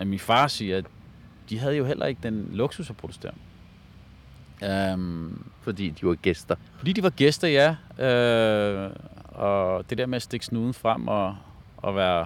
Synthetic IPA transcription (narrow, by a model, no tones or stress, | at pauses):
æminfɑ̈ːsiːɐ | d̥iɦæð̞̩ˠjo̝ɦelʔɐ̰e̝ɡ̥əd̥enloɡ̥susæpʰʁodusd̥e̝ɐ̰n | fɒd̥ḭːd̥iʋɑ̈ɡ̥esd̥ɐfɒ̽d̥ḭːd̥iʋɑ̈ɡ̥esd̥ɐjæø | ɒd̥e̝d̥eɐ̰meæsd̥e̝ɡ̥snuːðˠn̩fʁam̰ɒ | ɒʋæːɐ